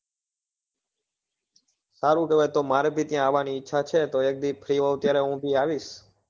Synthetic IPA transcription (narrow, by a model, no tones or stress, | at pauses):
saɾũkeʋɛt̪omaɾebʱit̪jãːʋaniɪtːʃʰat͡ʃʰet̪oek̚d̪ipʰɾiʋõt̪jaɾɛɦũbʱiaʋiʃ